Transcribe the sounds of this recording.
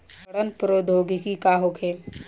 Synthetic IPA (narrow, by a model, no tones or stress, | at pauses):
bɐɽənpɾoːd̪ʱoːɡikikaːɦokʰẽː